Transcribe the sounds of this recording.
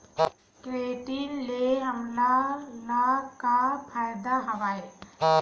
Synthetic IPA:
kɾeːʈinleɦəmlalakapʰajd̪aɦɐʋaːe

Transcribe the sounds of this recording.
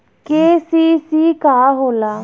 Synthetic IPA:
keːsiːsiːkaːɦoːlaː

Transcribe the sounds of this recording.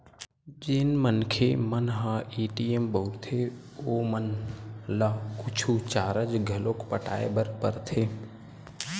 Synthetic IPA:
d͡ʒɪnmənkʰemənɦaiːʈiembəuɾt̪ʰe | oːmənlaːkʊt͡ʃʰut͡ʃaːɾəd͡ʒɡʱəloːkpəʈa̰ːebəɾpəɾt̪ʰeː

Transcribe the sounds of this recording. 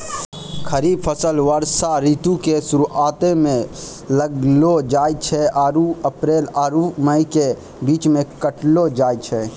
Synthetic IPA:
kʰəɾiːbpʰəsəlʋəɾsaɾiːt̪ukesʊɾʔaːt̪emẽ | ləɡlod͡ʒaːjt͡ʃʰeʔaɾuəpɾeːlaːɾuməike | biːt͡ʃmẽkəʈlod͡ʒaːjt͡ʃʰɛ

